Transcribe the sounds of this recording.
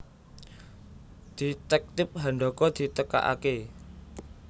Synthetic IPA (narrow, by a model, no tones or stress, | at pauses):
d̪̥i̤t̪ɛk̚t̪ɪp̚ɦaɳɖɔkɔd̪̥i̤t̪əka̰ʔa̰ke